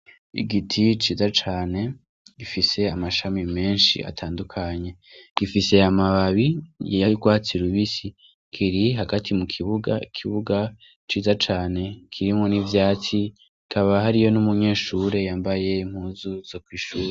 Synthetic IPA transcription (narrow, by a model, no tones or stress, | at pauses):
ḭɡitʰit͡ʃiːzat͡ʃaːne̞ | ɡ̥ifise̞amaʃamime̞ːnʃḭa̰tʰaːndukʰaɲe̞ | ɡ̥ifise̞amaβaβijjajiɡwaːt͡siɾuβisi | kʰiɾiɦaɡatʰimukʰiβuɡa̰ikʰiβuɡa | t͡ʃiːzat͡ʃaːne̞kʰiɾimo̞nivjaːt͡si | kʰaβaɦaɾijo̞numuɲe̞ːʃuɾe̞jaːmbaje̞im̥huːzuz̥okwiːʃuːɾe